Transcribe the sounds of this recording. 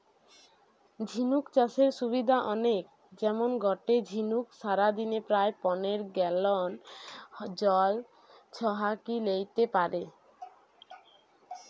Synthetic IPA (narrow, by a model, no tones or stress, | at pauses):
d͡ʑʱinukt͡ɕaʃeɾʃubid̪ʱaʔɔnek̚ | d͡ʑɛmonɡʱɔʈed͡ʑʱinukʃaɾad̪inepɾaepɔneɾɡɛlon | d͡ʑɔl | t͡ɕʰɔɦakilejt̪epaɾe